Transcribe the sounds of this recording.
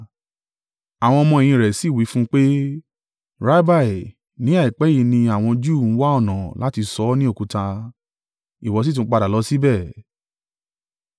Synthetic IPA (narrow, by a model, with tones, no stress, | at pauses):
a˨w̃ɔ̃˧ɔ˧mɔ̃˧e˨j̃ĩ˧ɾɛ˨si˨˦˨wi˨˦fũ˦k͡pe˦ | ɾa˦ba˦˨i˨ | nĩ˨˦a˦˨i˨k͡pɛ˨˦ji˧˦nĩ˧a˨w̃ɔ̃˧d͡ʒu˦˨n̩˦wa˦ɔ˦˨nã˨la˦ti˧sɔ˨˦nĩ˦o˦˨ku˨˧ta˧ | i˨wɔ˨˧˦si˦tũ˧˦k͡pa˧da˨lɔ˨˦si˦bɛ˦˨